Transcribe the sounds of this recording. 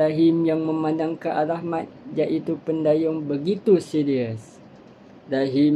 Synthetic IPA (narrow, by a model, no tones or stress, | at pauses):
aɦimjaŋməmãndaŋkəʔalahmat̪̚d͡ʒaʔit̪upəndajʊŋbəɡit̪usiɾiəs | daɦim